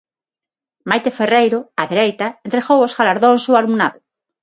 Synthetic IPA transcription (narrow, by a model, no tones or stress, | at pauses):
majt̪eferejɾoaðeɾejt̪aẽnt̪ɾeɣowozɣalaɾðõŋsoaɾmunaðo